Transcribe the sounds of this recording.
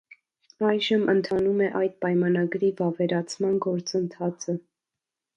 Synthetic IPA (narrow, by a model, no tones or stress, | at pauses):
ɑjʒəmʔənt̪ʰɑnumɛʔɑjd̪̚pɑjmɑnɑɡɾivɑvɛɾɑt͡sʰmɑnɡɔɾt͡sənt̪ʰɑt͡sʰə